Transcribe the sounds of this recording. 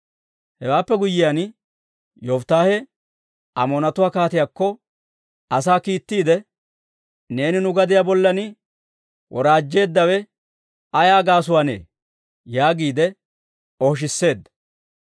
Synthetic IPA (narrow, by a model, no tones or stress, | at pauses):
hɛwaːpːɛɡʊjːɪjan | jɔft̪aːhɛ | ʔɐ̰mɔnɐt̪ʊwaːkaːt̪ɪjakːɔ | ɐsaːkiːt̪ːiːd̪ɛ | ne̞ːnɪnʊɡɐd̪ɪjabɔlːɐnɪ | wʔɔɾaːd͡ʒːe̞ːd̪ːɐwɛ | ɐjaːɡaːsʊwanḛː | jaːɡiːd̪ɛ | ɔhʃ̬ɪsːe̞ːd̪ːɐ